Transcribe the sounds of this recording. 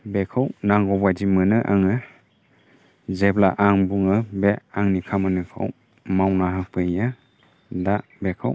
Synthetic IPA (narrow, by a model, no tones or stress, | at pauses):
bekʰɯwnaŋɡɔbadimɯnɯʔaŋɯ | zeblaʔaŋbuŋɯbeaŋnikʰamɯnɯkʰa̰w | mawnaɦapʰɯja | dabekʰaw